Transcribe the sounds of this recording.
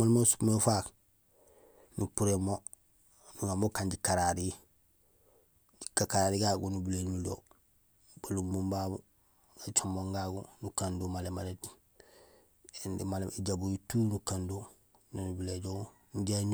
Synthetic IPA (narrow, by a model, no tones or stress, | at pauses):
molmosu̥pmefak | nupuɾemo | nuŋamokaɲɟikaɾaɾi | kakaɾaɾiɡaɡunubilenulo̰ | balumbumbabu | ɡat͡ʃomboŋɡaɡṵnukandumalemalet | endimaleiɟabujutuːnukandu | nonubileɟoŋ | ɲɟeɲ